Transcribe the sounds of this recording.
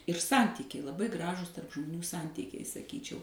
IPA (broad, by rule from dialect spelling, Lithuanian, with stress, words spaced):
ɪr ˈsɐnʲtʲiːkʲɛɪ lˠɐˈbɐɪ ˈɡrɑːʒuːs tɐrp ʒmoːˈnʲuː ˈsɐnʲtʲiːkʲɛɪ sɐˈkʲiːt͡ʃʲɛʊ